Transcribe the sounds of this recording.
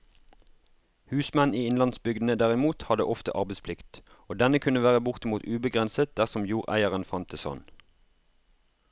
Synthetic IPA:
hʉːsmɛniːɪnlɑnsbʏɡd̪n̩əd̪æʁɪmuːt̪hɑd̪ə̰ʔɔft̪ə̰ʔɑʁbɛɪspʰlɪkt̪ | oːd̪ɛnəkʰʉnəʋæːʁəbʊʁt̪əmuːt̪ʉːbəɡʁɛnsət̪̚d̪æʁsɔmjuːʁæ̰ɪəʁənfɑnt̪ʰɪsɔ̰n

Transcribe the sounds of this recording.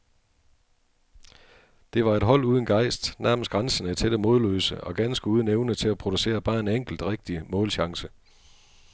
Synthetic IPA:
d̥e̝ʋɑ̈e̝d̥ɦɒ̽l̰uːðˠən̩ɡ̥ɑ̈ɪ̰sd̥næɐməsɡ̥ʁɑnsənəe̥t͡sʰeɾ̥əmo̝ðˠlø̰ːsəɒ̽ɡ̥ænsɡ̥əuːð̞ˠən̩eʊnət͡sʰe̝læpʰʁo̝d̥use̝̰ːɐb̥ɑ̈ːe̝neŋ̰ɡ̥l̩d̥ʁeɡ̥̚d̥imɔ̽ːlɕɑ̈ŋsə

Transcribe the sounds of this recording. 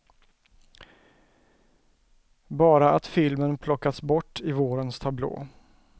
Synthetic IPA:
bɑːɾaat̪fɪlmənpʰlɔkːat̪sbɔʈːɪvoːɾənst̪ʰablo̰ː

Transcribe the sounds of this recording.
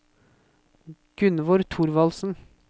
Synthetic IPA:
ɡ̥ʉnʋɔɾt̪ʰʊɾʋɑlsn̩

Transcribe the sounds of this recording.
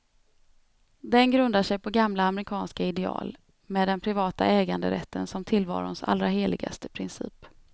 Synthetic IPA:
d̪ɛnɡɾɵnd̪aʂɛjpʰɔɡamlaːmɾɪkʰɑːnskaɪd̪ɛɑ̰ːl | meːd̪ːɛnpʰɾɪvɑːt̪a̰ɛːɡand̪ə̰ɾɛ̰t̪ʰːənsɔmt̪ʰɪlvɑ̰ːɾʊnsa̰lɾaɦeːlɪɡa̰st̪əpʰɾɪnsḭːp

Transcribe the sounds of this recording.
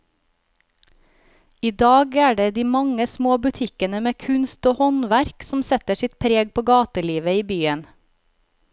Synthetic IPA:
iːd̪ɑːɡæːɖeːd̪iːmɑŋəsmoːbʉt̪ʰɪkənəmeːkʰʉnst̪oːhɔnʋæɾksm̩sɛt̪əʃɪt̪̚pʰɾeːɡ̚pʰoːɡɑːt̪əliːʋəiːbyːən

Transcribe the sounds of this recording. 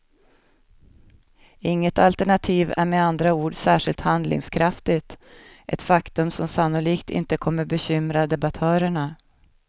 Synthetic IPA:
ɪŋːət̪alt̪æɳat̪ʰiːvæ̰ɾmeand̪ɾauːɖsæːʂɪlt̪hand̪lɪ̰ŋskʰɾaft̪ɪt̪ʔɛt̪fakt̪ɵmsɔmsanːʊliːkt̪ʰɪ̰nt̪əkʰɔmːəɾbɛɕʏmɾad̪ɛbat̪ʰœːɾəɳa

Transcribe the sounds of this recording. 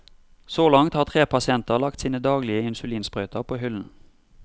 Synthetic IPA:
soːlɑŋt̪hɑːʁt̪ʰʁeːpʰɑsɪɛnt̪əʁlɑk̚t̪siːnəd̪ɑːɡlɪəɪnsʉliːnsbʁœʏt̪ʰəʁpʰoːhʏln̩

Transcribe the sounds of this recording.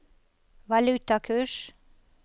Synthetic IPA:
ʋɑlʉt̪ɑkʰʉːʃ

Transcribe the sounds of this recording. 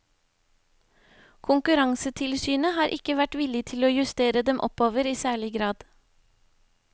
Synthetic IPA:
kʰʊŋkʉɾɑŋsət̪ʰɪlsyːnəhɑːɾʔɪkəʋæʈʋɪlɪt̪ʰɪloːjʉst̪eːɾəd̪ɛmʔɔ̰poːʋəɾiːsæːɭɪɡɾɑːd̪̥

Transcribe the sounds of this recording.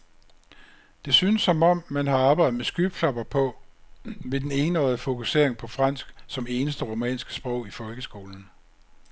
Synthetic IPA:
d̥e̝synəsːɒ̽mɒ̽m̰mænɦɑ̈ɑ̈ːb̥ɑ̈ɪð̩ˠmesɡ̥yːb̥ʰlɑ̈b̥ɐpʰɒ̽ | ʋe̝d̥ene̝ːnɒ̽ɪð̩ˠəfo̝kʰuse̝ɐ̰e̝ŋpʰɒ̽fʁɑ̈n̰sɡ̥sɒ̽me̝ːnəsd̥əʁo̝mɛ̰ːnsɡ̥ə̥sb̥ʁɔʊ̰ifɒ̽lɡ̥əsɡ̥o̝ːln̩

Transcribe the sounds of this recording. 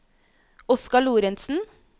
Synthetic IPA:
ɔskɑɭuːɾɛnsn̩

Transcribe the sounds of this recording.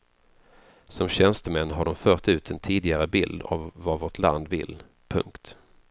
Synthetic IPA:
sɔmɕɛnst̪əmɛnːɦaɖɔmfœːt̪ʉ̟ːt̪ʰɛnt̪ʰiːd̪ɪɡaɾəbɪld̪a̰vːavoʈʰla̰nd̪vɪ̰lː | pʰɵ̰ŋkt̪

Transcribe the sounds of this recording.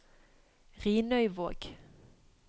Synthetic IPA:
ʁiːnœʏʋoːɡ̥

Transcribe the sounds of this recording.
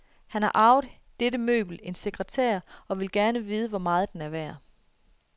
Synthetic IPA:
hænhɑ̈ʔɑ̈ʊð̩ˠ | d̥edəmø̰ːb̥l̩e̝nse̝ɡ̥ʁət͡sʰæ̰ːɐ̰ɒ̽ʋe̝lɡ̥æɐnəʋiːð̞ˠəʋɒmɑ̈ːð̞̩ˠd̥enæɐʋæɐ̰

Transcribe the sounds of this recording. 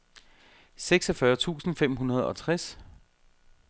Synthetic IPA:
seɡ̥sɒ̽fɶɐt͡sʰṵːsn̩fem̰ɦunɐð̞ˠɒ̽t͡sʰʁas

